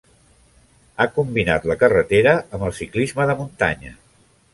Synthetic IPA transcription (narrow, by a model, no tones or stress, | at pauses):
akumbina̰t̪ləkərət̪eɾəəmbəlˠsiklizməðəmunt̪a̰ɲə̰